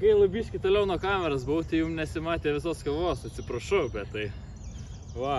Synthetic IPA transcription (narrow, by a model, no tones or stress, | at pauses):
kɐɪlˠɐbʲiːʃʲkʲɪt̪oːlʲɛʊnoːkɑːmʲɛɾɐsbʊʋʊt̪ʲɐɪjumnʲɛsʲɪmɑːt̪ʲeːʋʲɪs̬oːskɐʋoːsɐt̪ʲsʲɪpɾɐʃɐʊbʲɛt̪t̪ɐɪ | ʋɐ